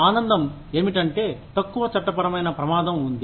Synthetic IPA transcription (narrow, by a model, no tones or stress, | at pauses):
aːnɐnd̪ɐm | eːmiʈɐɳʈe̞ːt̪ɐkːuʋɐt͡ʃɐʈːɐpɐɾɐmɐjnɐpɾɐmaːd̪ɐmund̪i